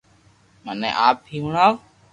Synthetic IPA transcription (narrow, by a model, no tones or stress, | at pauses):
mənɛ̰̃ːʔaːp̚ːiːɦuɳaː